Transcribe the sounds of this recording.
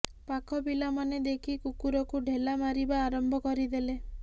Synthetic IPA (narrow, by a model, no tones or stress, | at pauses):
pakʰɔbilamaned̪ekʰikukuɾɔkuɖʱelamaɾibaːɾɔmbʱɔkɔɾid̪ele